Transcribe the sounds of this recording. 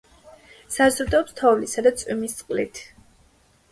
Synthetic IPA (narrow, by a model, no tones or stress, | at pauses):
sazɾud̪ɔːpst̪ʰɔvlisad̪at̪sʼwimist̪sʼqʼlit̪ʰ